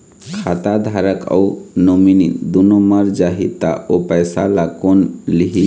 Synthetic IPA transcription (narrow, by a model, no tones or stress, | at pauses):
kʰat̪ad̪ʱaɾəkɔ̰unominid̪unoməɾd͡ʒaɦit̪aopəjsa̰lakonliɦi